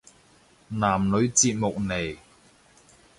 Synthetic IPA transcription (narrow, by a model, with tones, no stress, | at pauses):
naː˨˩mnɵ˨˧ɥt͡siː˧t̚mʊ˨k̚ne˨˩j